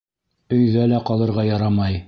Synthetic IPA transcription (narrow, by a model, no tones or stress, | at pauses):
ɵ̆jðælæqɑlˠɤ̆ɾʁɑjɑɾɑmɑj